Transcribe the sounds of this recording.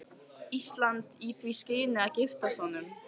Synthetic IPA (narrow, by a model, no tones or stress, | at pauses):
ist̪lant̪iθviscɪːnɪaðcɪft̪asɔnʏm